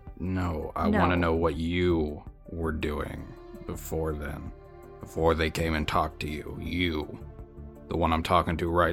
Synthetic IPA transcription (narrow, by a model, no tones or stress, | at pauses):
noʊa̰ɪwɑ̃nɨnoʊwʌt͡ʃɨwə˞dʉɪ̰̃ŋ | b̥əfɔɹðɨ̰̃n | b̥əfɔɹðeɪkʰẽɪ̃mɨ̃ntʰɔk̚tʰɨjʉ̰jɨ | ðəwʌ̃nãɪ̃mtʰɔkɪ̃ŋtʰɨɹaɪ